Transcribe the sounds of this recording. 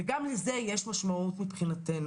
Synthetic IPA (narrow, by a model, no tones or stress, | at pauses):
ɡamlizɛjɛʃmaʃmautmipχinatɛn